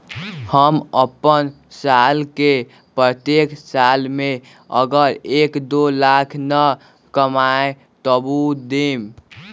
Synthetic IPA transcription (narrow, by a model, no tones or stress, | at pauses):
həməpːən | salke | pɾət̪eksalme | ə̰ɡəɾekd̪olakʰnə | kəmae | t̪əbud̪em